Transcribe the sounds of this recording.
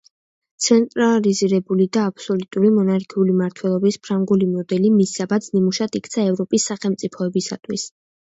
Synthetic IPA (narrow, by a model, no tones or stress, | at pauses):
t̪sʰɛnt̪ʼɾaliziɾɛbulid̪aːpʰsɔlut̪ʼuɾimɔnaɾkʰiulimaɾt̪ʰwɛlˠɔbispʰɾaŋɡulimɔd̪ɛlimisːabat̪sʰnimuʃat̪ʰikʰt̪sʰaɛvɾɔpʼisːaχɛlˠmt̪sʼipʰɔɛbisa̰t̪ʰwis